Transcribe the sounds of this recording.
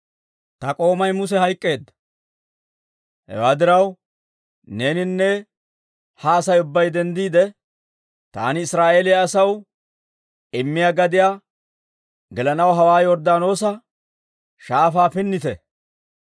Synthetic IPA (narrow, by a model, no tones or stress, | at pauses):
t̪ɐkʼo̞ːmɐjmʊsɛɦɐjkʼːe̞ːd̪ːɐ̥ | hɛ̰waːd̪ɪɾɐw | ne̞ːnɪnːɛ | hɐːsɐjʊbːɐjd̪ɛnd̪iːd̪ɛ | t̪a̰ːnɪːsɾaːʔeːlɪjɐːsɐw | ɪmːɪjaːɡɐd̪ɪjaː | ɡɛlɐnɐwɦɐwaːjɔɾd̪aːno̞ːsɐ | ʃaːfaːfɪnːɪt̪ɛ